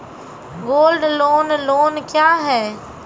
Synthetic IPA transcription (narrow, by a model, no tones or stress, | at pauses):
ɡoːlɖloːnloːnkjaːɦɛː